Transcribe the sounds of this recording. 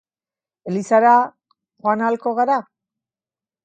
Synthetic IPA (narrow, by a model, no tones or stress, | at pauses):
e̞lisaɾa | xoanalko̞ɣaɾa